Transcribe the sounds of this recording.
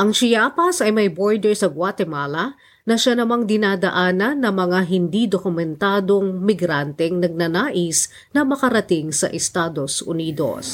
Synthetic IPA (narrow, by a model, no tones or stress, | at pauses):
ʔɐŋt͡ʃɪjaːpɐsɐjmɐjboɹd̪ɛɹsɐɡwat̪ɛmaːlɐ | nɐʃanɐmaŋd̪ɪnaːd̪ɐʔaːnɐnːɐŋmɐŋaɦɪnd̪id̪okʊmɛnt̪aːd̪o̞ŋmɪɡɾant̪ɛŋnɐɡ̚nɐnaːʔɪs | nɐmɐkɐɾɐt̪ɪŋsɐʔɛst̪ad̪o̞sʔʊ̰niːd̪o̰s